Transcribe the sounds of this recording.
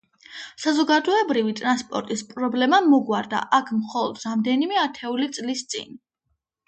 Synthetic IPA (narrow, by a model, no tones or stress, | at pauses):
sazɔɡad̪ɔɛbɾivit̪ʼɾanspʼɔ̰ɾt̪ʼispʼɾɔblɛmamɔɡwaɾd̪a̰ʔakʰmχɔlˠɔd̪̥ɾamd̪ɛnimɛat̪ʰɛulit̪sʼlist̪sʼḭn